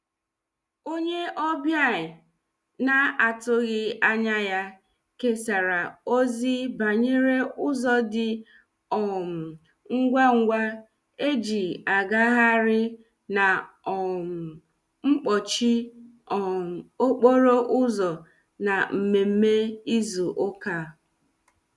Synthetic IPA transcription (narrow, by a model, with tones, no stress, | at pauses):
o˦ɲe˦ʔɔ˦bja˦˨ɪ˨ | na˦a˨tʊ˦ɣɪ˦a˦ɲa˦ja˦ | ke˦sa˨ɾa˨o˦zi˦ba˨ɲe˦ɾe˦ʊ˦zɔ˨dɪ˨ | ɔ˨m̩˨ | ŋ̩˦ɡʷa˦ŋ̩˦ɡʷa˦ | e˦d͡ʒi˨a˨ɡa˦ɦa˦ɾɪ˦ | na˨ | ɔ˨m̩˨ | ŋ͡m̩˦k͡pɔ˨t͡ʃi˦ | ɔ˨o˦k͡po˦ɾo˦ʔʊ˦zɔ˨ | na˨m̩˨me˨m̩˦me˦i˦zu˨ʔʊ˦ka˦˨